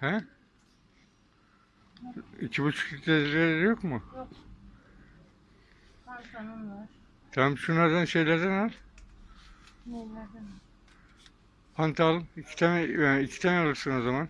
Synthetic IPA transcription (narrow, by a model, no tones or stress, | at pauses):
hæ | icʰibut͡ʃʰu̥kit̪leilʲelɛɾjokmu | t̪ʰammʃunaɾd̪ænʃe̞jlʲæɾd̪ænalʲ | pʰant̪ʰalˠɯmicʰi̥t̪ʰanɛicʰi̥t̪ʰanɛalˠɯɾsɯnozaman